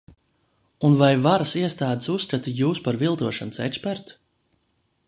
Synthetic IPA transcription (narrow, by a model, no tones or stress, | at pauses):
unvajvaɾasiɛst̪aːd̪e̥sust̪ɾat̪ijuːspaɾvilˠt̪uɔʃansɛkspɛɾt̪u̥